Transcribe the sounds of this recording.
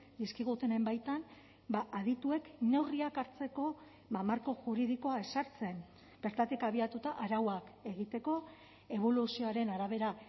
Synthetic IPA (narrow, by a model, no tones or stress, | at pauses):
d̪iskiɣ̞ut̪ene̞mbajt̪an | baʔaðit̪ue̞kne̞wriakaɾt͡se̞ko̞ | bamaɾko̞ʝuɾiðiko̞ae̞saɾt͡se̞n | b̥e̞ɾt̪at̪ikaβiat̪ut̪aʔaɾawake̞ɣit̪e̞ko̞ | e̞β̞o̞lusio̞aɾe̞naɾaβ̞e̞ɾa